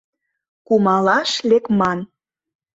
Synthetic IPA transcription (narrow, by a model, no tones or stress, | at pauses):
kumɑlɑʃlekmɑn